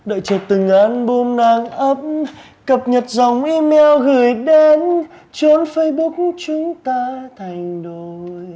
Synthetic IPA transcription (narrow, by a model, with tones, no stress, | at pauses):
ɗə̰ː˧˨jt͡ɕəː˨˩t̚t̪ɨ˨˩ŋʔa˨˦nɓo˧mnaː˧˩ŋʔə˦˥p̚ | kə˨˩p̚ɲə˨˩t̚za˨˩wŋ͡mʔi˧mɛ˧wɣɨ˨˩əjɗe˧n | t͡ɕo˨˦nfə˧jɓʊ˦˥k̚t͡ɕʊ˨˦ŋ͡mt̪aː˧t̪ʰa˨˧˩jŋ̟ɗo˧˩j